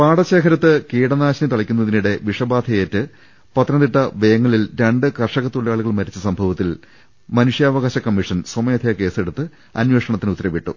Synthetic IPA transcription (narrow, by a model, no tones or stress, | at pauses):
paːɽɐɕeːkʰɐɾɐt̪ːɨkiːɽɐnaːɕɐnit̪ɐɭɐkʲːunːɐðiniɽe̞ʋiʂɐbaːd̪ʰʱɐjeːtːɨ | pɐt̪ːɾɐnd̪iʈːɐʋejɐŋːɐɭilɾeɳɖɨkɐrʂɐɣɐt̪ːoɭjaːɭuɣɐɭmɐɾit͡ɕːɐsɐmbʱɐʋɐt̪ːil | mɐnuʂjaːʋɐɣaːɕɐkɐmːiʂɐnsomɐjɐd̪ʰʱjɐke̞ːseɽut̪ːɨ | ɐ̰nweʂɐɳɐt̪ːinut̪ːɐɾɐʋiʈːṵ